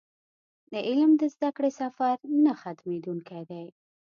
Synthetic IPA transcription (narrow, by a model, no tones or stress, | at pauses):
d̪əʔɪlmd̪əzd̪akɽesafaɾnaxat̪med̪uŋkajd̪aj